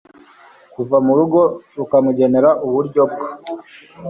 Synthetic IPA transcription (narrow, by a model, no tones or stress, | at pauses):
kuvamuɾuɡo̞ɾukamuɟe̞ne̞ɾaʔuβuɾɟob̚ɡḁ